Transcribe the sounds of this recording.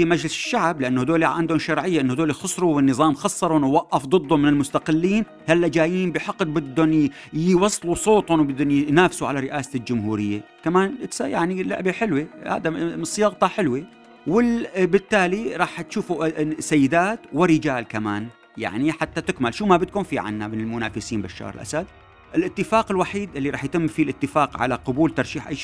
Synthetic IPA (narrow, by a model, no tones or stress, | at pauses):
imad͡ʒlɪsɪ̥ʃːaʕblɪʔanːhd̪oːliʕa̰nd̪hʊmʃɑɾˤʕɪjːaʔɪnːʊhd̪oːlixɨsˤɾuwɪnːɨðˤɑːmxɑsˤːɑɾˤnwaʔːɑfd̪ˤɨd̪ˤːʊmːɪnɪlmʊst̪aqɪlːiːn | halːad͡ʒaːjiːnbɪjħɑqːd̪̚bɪd̪ːʊn | jwɑsˤːlusˤoːt̪ˤhʊnwbɪd̪ːʊnjnaːfsuʕalaɾɪʔaːsald͡ʒʊmɦuːɾɪjːa̰ | kamaːnɪt̪saja̰ʕnilaʔbiħɪlwiha̰ːd̪amɨsˤːjɑɣt̪ˤɑħɪlwi | wɪlbɪt̪ːaːliɾˤɑːħt̪ʃuːfusajːɪd̪aːt̪wɪɾɪd͡ʒaːlkamaːn | ja̰ʕniħat̪ːat̪ɪkmalʃuːmabɪd̪̚kuːnfiʕa̰nːamɪnɪlmʊna̰ːfɪsiːnbaʃːɑ̰ːɾɪ̰lʔa̰sad̪̚ | ʔɪlʔɪt̪ːɪfaːqɪlwaħiːd̪ʔɪlːiɾˤɑːħjt̪ɪmːfilʔɪt̪ːɪfaːqʕa̰laqʊbuːlt̪ɑɾˤʃiːħʔa̰jʃ